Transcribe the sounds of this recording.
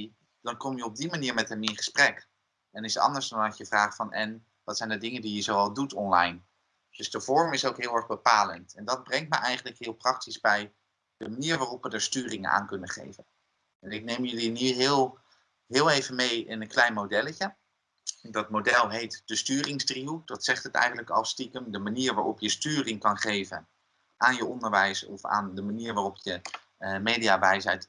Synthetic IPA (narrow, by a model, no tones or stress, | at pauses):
i | d̥ɑnkɔmjəɔb̚dimaniːɹmɛtɦɛmɪnχə̥sprɛk | ɛnɪsɑ̰ndəɹzdɑnɑcjəvraːχtfɑnʔɛn | ʋɑtsɛjndədɪŋəndijəzowɑlˠdutʰɔnlɑjn | d̥ɵzdəv̥ɔɹmɪsowkɦɪːlˠɛɹχbəpaːlə̰ntɛndɑd̚brɛŋt̚mə̰ʔɛjχənləkɦɪːlˠprɑk̚tizbɛj | dəmaniːɹʋaːrɔpʋədəɹstyːrɪŋə̰na̰ːŋkɵnəχḛjvən | ɛnɪk̚nejmjɵliniɦɪlˠ | ɦɪːlˠejvənmejɪnənklɛjnmowdɛləcə | dɔt̚modɛlˠɦejtd̥əstyːrɪŋsdriudɑtsɛχtətɛ̰jχən̩ləkɑlˠstikəmdəmaniːəɹʋaːɹʔɔ̰pjəstyːrɪŋkɑnχeːvən | ʔaːnjəɔndəɹʋɛjsɔ̰fa̰ːndəmaniːɹʋaːrɔpjə | meːdiaʋɛjsɛjt